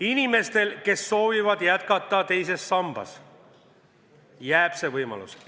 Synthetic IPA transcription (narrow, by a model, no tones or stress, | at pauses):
inime̞st̪e̞lke̞sːo̞ːvivɑd̪jæt̪̚kɑt̪ːˑɑt̪e̞jse̞sːɑmb̥ɑ̰s | jæːb̥se̞vɤjmɑ̰lṵs